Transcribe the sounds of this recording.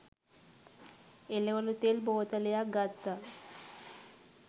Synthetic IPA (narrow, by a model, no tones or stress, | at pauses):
eleʋalut̪elbowt̪alejaɡat̪ːa